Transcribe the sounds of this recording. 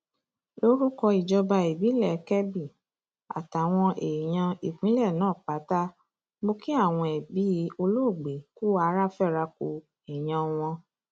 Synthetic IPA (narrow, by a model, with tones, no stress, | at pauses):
lo˦ɾu˦kɔ˧i˨d͡ʒɔ˧ba˧e˨bi˨˦lɛ˦˨kɛ˦bi˦˨ | a̰˨ta˨w̃ɔ̃˧ʔe˨j̃ã˧i˨k͡pĩ˨˦lɛ˦˨nãː˦˨k͡pa˨˦ta˦ | mo˦ki˦a˦˨w̃ɔ̃˧ɛ˨bi˨˦o˧lo˦˨ɡ͡be˨ku˦a˧˦ɾa˦fɛ˦˨ɾa˧ko˧ | e˨j̃ã˧w̃ɔ̃˧